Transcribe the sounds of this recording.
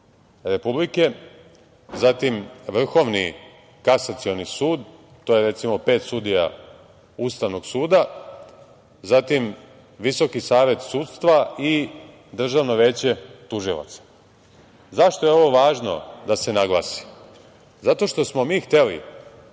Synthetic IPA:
ɾe̞publike̞ | zat̪imʋr̩xo̞ʋni | kasat̪sio̞nisuːd̪ | t̪ːoːjeɾe̞t̪simo̞pe̞ːt̪sud̪ija̰ | ust̪aʋno̞ɡsuːd̪a | zat̪im | ʋiso̞kisaːʋje̞t̪suːd̪st̪ʋai | d̪r̩ʒaʋnoʋe̞ːt͡ɕe̞t̪uʒilˠa̰t̪sḁ | zaʃt̪o̞jeo̞ʋo̞ʋaːʒno̞̰d̪ase̞naɡlˠa̰ːsi̥ | zat̪o̞ʃt̪o̞smo̞miːxt̪e̞lḭ

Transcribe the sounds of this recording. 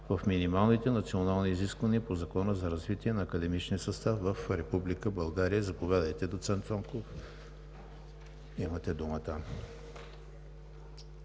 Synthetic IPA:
vɐfminimalˠnit̪ɛnɐt̪sionalˠniːziskvəniəpozɐkɔnəzɐɾɐzvit̪iɛnɐːkəd̪ɛmit͡ʃniəsɐst̪afvəfɾɛpublikəbɐlˠɡaɾijəzɐpovʲjad̪əjt̪ɛd̪ot̪sɛnt̪sɔŋkof | imət̪ɛd̪umət̪ə

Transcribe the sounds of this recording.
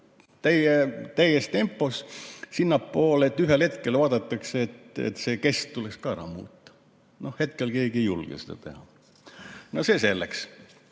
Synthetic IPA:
t̪æjet̪æjest̪e̞mpːˑo̞ssinːɑpːo̞ːle̞t̪ːˑyɦelhet̪ke̞lvɑːd̪ɑt̪ˑːɑkseːt̪ḛt̪ːse̞ːke̞st̪t̪ulekskɑæɾɑ̰mṵːt̪ːˑɑ̥ | no̞hhe̞t̪kelke̞ːɡiejṵlɡ̥ḛsed̪ɑ̰t̪e̞̰hɑ | nosese̞lːeks

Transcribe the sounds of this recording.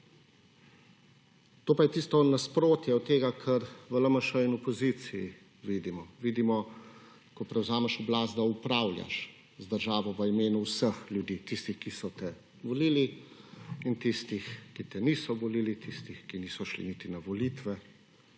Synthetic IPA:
t̪oːpajɛt̪iːst̪ɔnaspɾoːt̪jɛɔt̪ːeːɡakʰɐɾʋələmɐʃəinɔpɔzit̪siji | ʋiːd̪imɔʋiːd̪imɔ | kɔpɾɛwzaːmɛʃɔblaːst̪d̪aupɾawlʲja̰ʃ | zd̪əɾʒaːʋɔʋəimeːnuwsəxljud̪iːt̪ist̪ixkisɔt̪ɛ | ʋɔliːli | int̪ist̪ixkit̪ɛniːsɔʋɔliːlit̪ist̪ixkiniːsɔʃlḭnit̪inaʋɔliːt̪ʋɛ

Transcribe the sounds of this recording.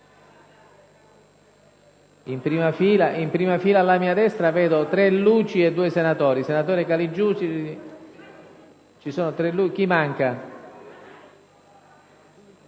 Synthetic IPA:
impɾiːmafiːlaimpɾiːmafiːlaːlːamiːad̪ɛst̪ɾavɛːd̪ot̪ɾɛluːt͡ʃiɛd̪ːuːesenat̪oːɾisenat̪oːɾɪkalid͡ʒːuːsi | t͡ʃisoːnot̪ɾɛlːuk̟imaŋka

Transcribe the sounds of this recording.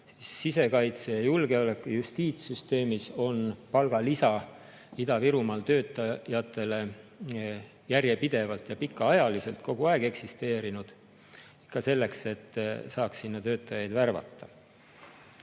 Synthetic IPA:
sisːise̞kɑjt̪sejɑjulɡ̥e̞ole̞kːˑujust̪iːt̪syst̪e̞ːmiso̞npɑlɡ̥ɑlisɑ | id̪̥ɑviɾumɑlt̪ø̞ːt̪ːˑɑjɑt̪ːˑe̞le̞ | jærjepid̪̥e̞vɑlt̪jɑpikːɑɑjɑliselt̪̚ko̞ɡ̥uɑeɡ̥e̞ksist̪e̞ːɾinud̪̥ | ikːˑɑse̞lːe̞kse̞t̪ːˑsɑːksːinːɑt̪øːt̪ːˑɑjɑjd̪værvɑ̰t̪ːɑ

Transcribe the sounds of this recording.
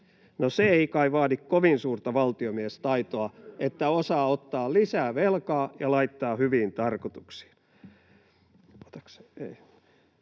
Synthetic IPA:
noseeikɑiʋɑːdikkoʋinsuːrt̪ɑʋɑlt̪iomiest̪ɑit̪oɑet̪ːæosɑːot̪ːɑːlisæːʋelkɑːjɑlɑit̪ːɑːhyʋiːnt̪ɑrkot̪u̥ksi̥ːn | ot̪ɑ̥kse̥ei

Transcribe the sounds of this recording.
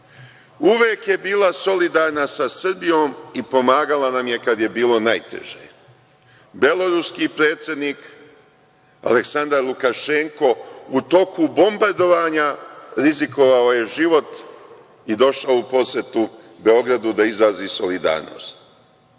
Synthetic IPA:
uʋeːkje̞biːlˠaso̞lid̪aɾnasasr̩bijo̞ːmipo̞maːɡalanamje̞kad̪je̞biːlo̞najt̪e̞̰ʒḛ | be̞lo̞ɾuskiːpɾe̞ːt̪sje̞d̪niːk | a̰leksand̪aɾlukaʃe̞ŋko̞ut̪o̞kubo̞mbaɾd̪o̞ʋaːɲaɾiziko̞ʋao̞je̞ʒiʋo̞t̪ | id̪o̞ʃaoupo̞sjet̪u | be̞o̞ɡɾad̪ud̪aizaːziso̞lid̪a̰ːɾno̰ːst̪

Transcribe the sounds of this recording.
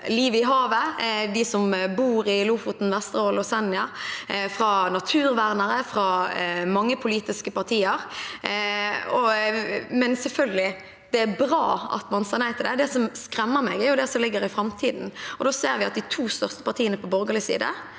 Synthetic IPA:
liːʋəɪɦɑːʋəd̪ɪsɔmbuːɾɪlʊfʊt̪n̩ʋɛst̪ʁəolʊsɛnːɪɑfʁɑnɑt̪ʰʉːʁʋæʁnəʁəfɾɑmɑŋːəpʰʊliːt̪ɪskəpʰɑʁt̪ʰiːəʁ | ɔ | mɛnsɛlfœlɡəlɪ | d̪̥ɛæbʁɑːɑ̰t̪mɑnseːʁnæɪt̪ʰɪld̪ɛd̪ɛsɔmskɾɛmːəɾmɛɡæʁjʊd̪ɛsɔmlɪɡːəɾɪfɾɑmt̪ʰiːd̪n̩ɔd̪oːseːɾʋɪɑt̪̚d̪ɪt̪ʰuːst̪œʁst̪ə̥pʰɑʁt̪ʰiːənəpʰɔbɔɾɡəʁlɪsḭːd̪ə̰

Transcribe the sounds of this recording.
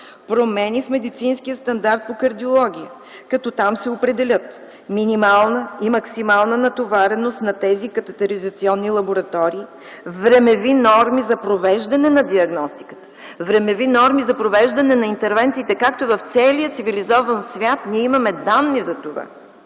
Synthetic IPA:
pɾomɛnifmɛd̪it̪sinskijəst̪ɐnd̪aɾt̪̚pokɐɾd̪iolˠɔɡ̟ʲiə | kɐt̪ɔt̪amsɛopɾɛd̪ɛlʲət̪ | minimalˠnəimɐksimalˠnənɐt̪ovaɾɛnost̪nɐt̪ɛzikɐt̪ɛt̪ɛɾizɐt̪siɔnːilˠɐboɾɐt̪ɔɾiː | vɾɛmɛvinɔɾmizɐpɾovɛʒd̪ɐnɛnɐd̪iɐɡnɔst̪ikə̥t̪ə̥ | vɾɛmɛvinɔɾmizɐpɾovɛʒd̪ɐnɛnɐint̪ɛɾvɛnt̪siːt̪ɛkak̚t̪oivɐft̪sɛliət̪sivilizɔvɐnsvʲat̪niɛimɐmɛd̪anːizɐt̪ova̰

